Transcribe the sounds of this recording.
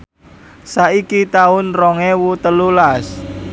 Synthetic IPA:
saikit̪aʊnrɔŋewut̪əlulas

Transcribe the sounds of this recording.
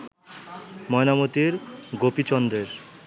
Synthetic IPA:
mɔenamot̪iɾɡopit͡ɕɔnd̪eɾ

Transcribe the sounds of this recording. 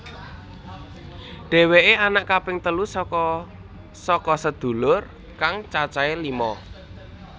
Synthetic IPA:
ɖ̥ɛ̤weʔeanaʔkapɪŋt̪əlus | sɔkɔsəd̪̥ṳlʊr | kaŋt͡ʃat͡ʃaelimɔ

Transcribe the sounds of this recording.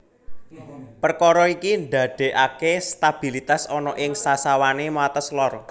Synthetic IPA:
pərkɔɾɔikinɖ̪a̤ɖ̪̥e̤ʔakest̪ab̥i̤lit̪asɔnɔʔɪŋsasawanemat̪əslɔr

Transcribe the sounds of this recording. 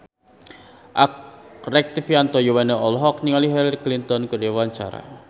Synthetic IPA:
ʔakrɛk̚t̪ifjant̪ɔjɔwɛneɔlɦɔkniŋaliɦɛlaɾiklint̪ɔnkəɾiwaɲt͡ʃa̰ɾa̰

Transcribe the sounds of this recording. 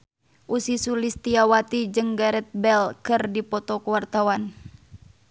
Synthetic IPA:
ʔusisulist̪iawat̪id͡ʒɨŋɡaɾɛt̪̚bɛlkɨrdipɔt̪ɔkuwart̪awan

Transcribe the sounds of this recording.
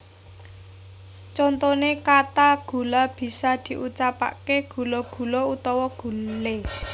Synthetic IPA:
t͡ʃɔnt̪ɔnekat̪aɡ̥ṳlab̥i̤sad̪̥i̤ʔut͡ʃapa̰keɡ̥ṳlɔɡ̥ṳlɔut̪ɔwɔɡ̥ṳlle

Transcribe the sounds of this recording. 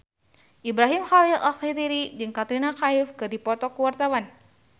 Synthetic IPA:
ʔibɾaɦimxalilakit̪iɾid͡ʒɨŋkat̪ɾinakaifkɨrdipɔt̪ɔkuwart̪awan

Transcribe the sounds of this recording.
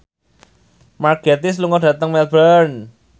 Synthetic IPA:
marɡet̪isluŋɔdä̤t̪əŋmɛlbən

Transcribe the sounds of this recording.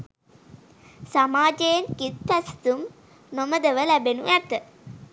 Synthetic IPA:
samaːd͡ʒejenkit̪ːæst̪um | noməd̪əʋəlæbenuæt̪ə

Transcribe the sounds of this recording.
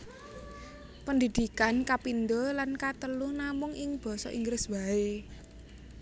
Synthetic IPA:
pənd̪id̪̥i̤kankapind̪olankat̪əlʊhnamʊŋɪŋb̥ɔ̤sɔ̰ʔḭŋɡɾɪsbae

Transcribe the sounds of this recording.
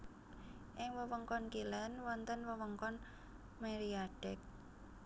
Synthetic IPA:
ʔɪŋwəwəŋkɔnkilɛnwɔnt̪ənwəwəŋkɔn | meɾiaɖ̥ɛk̚

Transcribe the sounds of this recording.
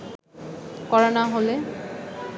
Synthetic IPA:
kɔɹɔnaɦole

